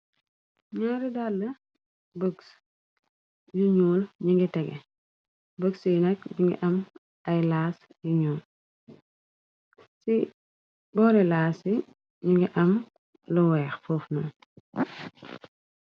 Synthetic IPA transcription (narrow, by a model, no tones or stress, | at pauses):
ɲɔɾidalːɐ | bəks | juɲuːlɲiŋɡitɛɡɛ̰ | bəksijnɛkɲuŋɡḭʔɐm | ɐjlaːs | juɲuːl | si | bɔːɾɛlaːsi | ɲiŋɡiʔɐm | lɔwɛːxfɔːfnɔ